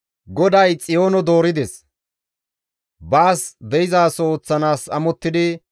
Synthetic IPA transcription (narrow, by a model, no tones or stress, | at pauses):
ɡɔd̪ɐjt͡sʼɪjo̞ːnɔd̪o̞ːɾɪd̪ɛs | baːsd̪ɛjɪzaːso̞ːt͡sːɐnaːsɐmɔt̪ːɪd̪ɪ